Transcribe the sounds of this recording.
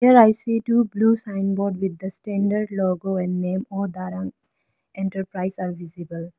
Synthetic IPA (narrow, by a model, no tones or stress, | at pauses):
iəɾaɪsiːʈuːbluːsãɪ̃nbɔːɖʋid̪ːəsʈɛ̃ɳɖəɾɖloːɡoːɛ̃ɳɖnẽːmɔːd̪aɾãŋ | ẽɳʈəɾpɾaɪsaːɾʋizibəl